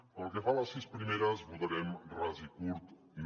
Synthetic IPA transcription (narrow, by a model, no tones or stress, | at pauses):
əlˠkefalasːispɾimeɾazbut̪aɾɛmrazikuɾt̪